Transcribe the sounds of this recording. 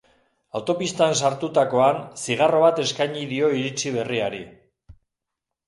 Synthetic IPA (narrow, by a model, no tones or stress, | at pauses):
awt̪o̞pist̪aensaɾt̪ut̪ako̞ansiɣ̞aro̞βat̪e̞skajɲiðio̞iɾit͡siβ̞e̞riaɾi